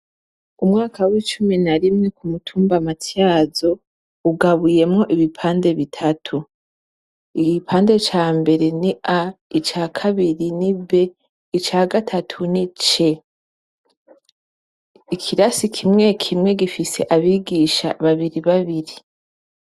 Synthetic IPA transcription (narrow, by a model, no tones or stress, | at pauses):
umŋaːkawit͡ʃuminaɾimŋe̞kumutʰuːmbamatjaːzo̞ | uɡaβuje̞mŋo̞ʔiβipʰaːnde̞βitʰatʰu | iɡipʰaːnde̞t͡ʃaːmbe̞ɾe̞niʔait͡ʃaːkʰaβiɾinibe̞ | it͡ʃaːɡatʰatʰunit͡ʃe̞ | ikʰiɾasikʰimŋe̞kʰimŋe̞ɡifise̞ʔaβiːɡiʃa̰βaβiɾiβaβiɾi